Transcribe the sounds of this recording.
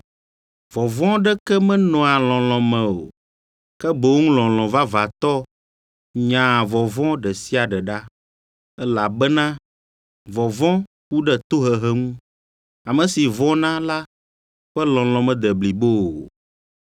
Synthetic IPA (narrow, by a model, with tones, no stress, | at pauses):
vɔ˨vɔ̃˦ɖɛ˦kɛ˦mɛ̃˦nɔ̃˨a˨lɔ̃˨lɔ̃˨mɛ̃˨o̰˨ | kɛ˦bo˨wo˦ŋũ˦lɔ̃˨l̃ɔ̃˨va˦va˨t̪ɔ˦ | ɲã˨vɔ˨vɔ̃˦ɖɛ˨si˦a˨ɖɛ˨ɖa˦ | ɛ˦la˨bɛ˦nã˦ | vɔ˨vɔ̃˦ | wu˦ɖɛ˨t̪o˦ɦɛ˨ɦɛ˦ŋũ˦ | a˨mɛ̃˨si˨vɔ̃˦nã˦la˦ | ɸɛ˦lɔ̃˨lɔ̃˨mɛ̃˨d̪ɛ˨bli˨bo˦˨